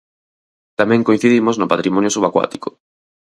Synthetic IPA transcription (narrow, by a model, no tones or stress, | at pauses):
t̪amɛ̃ŋkoin̟θiðimoznopat̪ɾimɔnjosuβakwa̰t̪i̥ko